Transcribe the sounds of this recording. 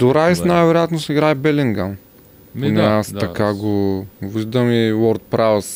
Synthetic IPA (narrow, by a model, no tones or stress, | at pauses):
d̪oɾajsnajvɛɾojat̪nosiɡɾaɛbɛliŋɡan | pnɛastt̪ɐkaɡoviʒd̪əmiwɔɾt̪̚pɾaws